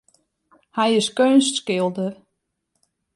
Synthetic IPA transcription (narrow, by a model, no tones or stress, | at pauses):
hɛjɪskønstskɪlˠdər